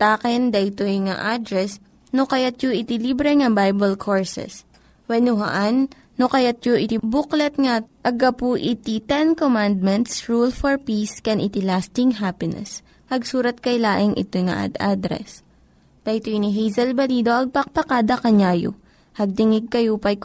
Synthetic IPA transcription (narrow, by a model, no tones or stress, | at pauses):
t̪aːkɛnd̪ɐjt̪ojŋa̰ʔad̪ɾɛs | nokɐjat̪̚joʔɪt̪ɪlibɾɛŋɐbajbɛlkʰoɹsɛ̰s | wɐnʊɦɐ̰ʔanː | okɐjat̪̚joʔɪt̪ibuklɐt̪̚ŋɐʔɐɡɐpuʔɪt̪it̪ɛnkomand̪̚mɛnt̪sɹulfɔɹpiskɛnʔɪt̪ɪlast̪ɪŋɦapɪnɛ̰s | hɐɡsuːɾɐt̪̚kɐjlaːʔɪŋʔɪ̰t̪ojŋa̰ʔa̰d̪ʔa̰d̪ɾɛ̰s | d̪̥ɐjt̪ojniɦijzɐlbɐliːd̪o̞ʔɐɡ̚pɐk̚pɐkaːd̪ɐkɐɲaːjo̰ | hɐɡ̚t̪ɪŋɪɡ̚kɐjopɐj